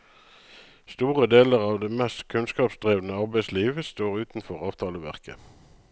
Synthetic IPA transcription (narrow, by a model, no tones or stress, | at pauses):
st̪uːʁəd̪eːləʁɑːʋd̪eːmɛst̪kʰʉnskɑːpsd̪ʁeːʋnəɑʁbæɪsliːʋəst̪oːʁʉːt̪n̩fɔʁɑːʋt̪ʰɑːləʋæ̰ʁkə